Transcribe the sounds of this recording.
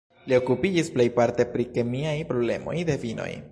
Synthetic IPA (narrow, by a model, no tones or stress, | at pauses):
lio̞kupid͡ʒisplejpaɾt̪e̞pɾike̞miajpɾo̞ble̞̰mo̞̰jd̪e̞vino̰j